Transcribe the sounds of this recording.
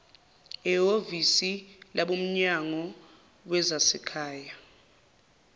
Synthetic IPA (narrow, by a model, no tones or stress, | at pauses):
ɛovisilaɓom̩ɲaŋɔ | wɛzasɛkʰaːja